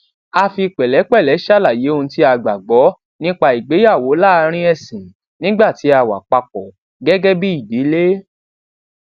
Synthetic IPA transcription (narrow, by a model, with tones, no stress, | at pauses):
a˧fi˧k͡pɛ˨lɛ˨˦k͡pɛ˦˨lɛ˨˦ʃa˦la˦˨je˨˦o˧ñ̩˧ti˦a˧ɡ͡ba˨ɡ͡bɔ˨˦ | nĩ˦k͡pa˧i˨ɡ͡be˨˦ja˦˨wo˨˦la˦˧ɾ̃ĩ˦ɛ˦˨sĩ˨ | nĩ˦ɡ͡ba˦˨ti˨˦a˧wa̰˨k͡pa˧k͡pɔ˨ | ɡɛ˦ɡɛ˦bi˦i˦˨de˨˦le˦